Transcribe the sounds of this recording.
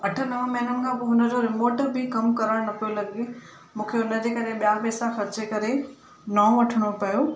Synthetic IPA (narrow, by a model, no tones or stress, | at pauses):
ɐʈʰə̆nɐʋə̃mɐɦɪnʊnɪ̆kʰãːpoːɦʊnə̆d͡ʑoɾɪmoːʈəɾbʱɪkɐmkɐɾəɽ̃nɐpijolɐɡe | mũːkʰeʊnəd͡ʑeːkɐɾeɓijapɛːsaxɐɾt͡ɕekɐɾe | naːõʋɐʈʰəɽ̃opɐjo